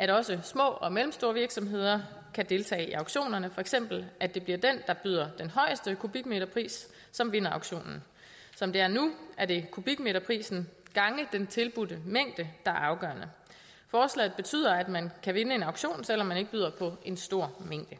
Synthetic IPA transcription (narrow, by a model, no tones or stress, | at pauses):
ʔæɾɒ̽səsmɔ̰̽ːɒ̽melm̩sd̥o̝ːɐʋiɐɡ̥sɒ̽mɦe̝ð̞̰ˠɐ | kʰæd̥e̝lt͡sʰɛ̰ːɪiɑ̈ʊ̥ɕo̝̰ːnɐnəfɒ̽eɡ̥sem̰b̥l̩æd̥e̝b̥liɐd̥end̥ɑ̈b̥yð̞̰ˠɐd̥enɦɒ̽ɪəsd̥əkʰub̥iɡ̥me̝ɾ̥ɐpʰʁḭːsː | ɒ̽mʋe̝nɐɑ̈ʊ̥ɕo̝̰ːnn̩ | sɒ̽md̥e̝æɐnuʔæɐd̥e̝kʰub̥iɡ̥me̝ɾɐpʰʁḭːsn̩ɡ̥ɑ̈ŋəd̥ent͡sʰe̝lb̥ud̥əmeŋ̰d̥əd̥ɑ̈æɐɑ̈ʊɡ̥ɶɐnə | fɒːslɛ̰ːð̩ˠb̥e̝t͡sʰy̰ːð̞̰ˠɐæd̥mænkʰæʋe̝nəe̝nɑ̈ʊɡɕo̝̰ːnsel̰ɒmːæne̝ɡ̥̚byðˠɐpʰɒ̽e̝nsd̥o̝ɐ̰meŋ̰d̥ə